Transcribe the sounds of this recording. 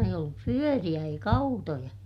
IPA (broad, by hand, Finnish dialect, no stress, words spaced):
eij olːup pyørij̆æ eik ɑutojɑ